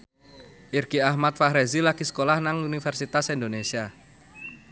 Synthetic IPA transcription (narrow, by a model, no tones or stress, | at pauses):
ʔirɡ̥iahmat̪̚fahɾezilakisə̥kolahnaŋunifɛrsit̪asind̪onesia